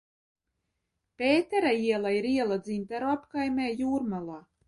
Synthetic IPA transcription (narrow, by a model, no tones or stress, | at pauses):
pʲeːt̪ɛɾaiɛlˠaiɾiɛlˠad̪ziːnʲt̪æɾoapkajmʲeːjuːɾmalˠaː